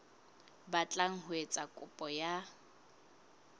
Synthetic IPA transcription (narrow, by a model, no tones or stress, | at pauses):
bat͡ɬʼaŋ̩hwet͡sʼakʼʊpʼɔja